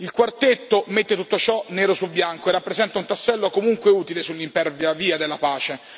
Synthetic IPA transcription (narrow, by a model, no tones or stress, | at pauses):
ilkwart̪et̪ːomet̪ːet̪ut̪ːot͡ʃɔnɛːɾosulbjaŋkoerːapːɾezɛnt̪aunt̪asːɛlːokomuŋkweuːt̪ilesulːimpɛrvjaviːad̪elːapaːt͡ʃe